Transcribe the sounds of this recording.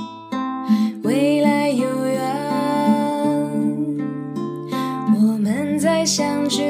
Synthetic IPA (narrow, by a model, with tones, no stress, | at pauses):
we˥ɪla˧˥ɪjo˨˩ʊja˧˦ | wɔ˨˩mə˦nt͡sa˥˧ɪɕjɑ˧ŋʈ͡ʂ̩˥